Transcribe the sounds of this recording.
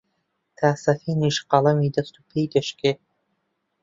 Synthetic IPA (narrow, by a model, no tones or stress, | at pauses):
t̪ʰaːsɐfiːniʃqɑlˠɐmiːd̪ɐst̪ʰupʰejd̪ɐʃke